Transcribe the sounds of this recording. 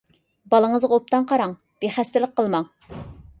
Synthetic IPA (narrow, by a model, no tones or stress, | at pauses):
bɑlˠəŋəzʁɑop̚t̪ɑŋqʰɑɾɑŋ | b̥eχæst̪ɪlɪq̚qːəlˠmɑŋ